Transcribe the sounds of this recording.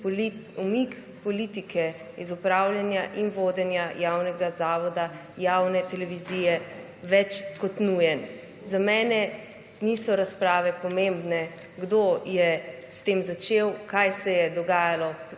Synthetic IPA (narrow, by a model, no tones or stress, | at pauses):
umik | pɔliːt̪ikɛ | izupɾaːwljanjaʔinʋoːd̪ɛnjajawnɛɡazaːʋɔd̪a | jawnɛt̪ɛlɛʋizijɛ | ʋɛt͡ʃkɔt̪nujɛn | zamɛːnɛ | nisɔɾaspɾaːʋɛpɔmembnɛ | ɡd̪ojɛ | st̪eːmzat͡ʃewkajsɛjɛd̪ɔɡaːjalɔ